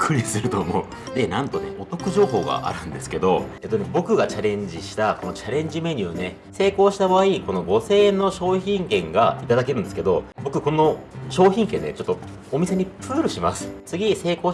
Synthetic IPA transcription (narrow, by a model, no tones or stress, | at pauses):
kʰːɯɾʲisɨɾɯ̟t̪o̞ːmoɯ | d̪e̞nãnt̪o̞ne̞̰ʔo̞t̪o̞kɯ̟ʑo̞ːɦo̞ːɡa̰ʔa̰ɾɯ̟̃nd̪e̞sɨ̥ke̞d̪o̞e̞t̪ːonebo̞kɯ̟ɡat͡ɕaɾẽ̞ɲ̟d͡ʑiɕi̥t̪ako̞no̞t͡ɕaɾẽ̞ɲ̟d͡ʑime̞ɲ̟ɯːne̞ | se̞ːko̞ːɕi̥t̪abaaiko̞no̞ɡo̞se̞ːno̞ɕo̞ːçĩŋkẽ̞ŋɡait̪ad̪akeɾɯ̟nd̪e̞sɨ̥ke̞d̪o̞bo̞kɯ̟ko̞no̞ɕo̞ːçʲĩŋkẽ̞nːe̞̰t͡ɕo̞t̪ːo̞ː | mʲise̞ɲ̟ipɯːɾɯ̟ɕimasɨ̥t͡sɨɡʲise̞ːko̞ː